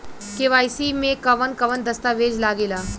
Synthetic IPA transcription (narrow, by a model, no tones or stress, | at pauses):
keʋaːjsimẽkɐʋənkɐʋənd̪ɐst̪aʋeːd͡ʒlaːɡeːlaː